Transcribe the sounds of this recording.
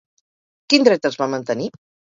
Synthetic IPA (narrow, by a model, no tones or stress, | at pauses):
kind̪ɾɛt̪əzβamənt̪əni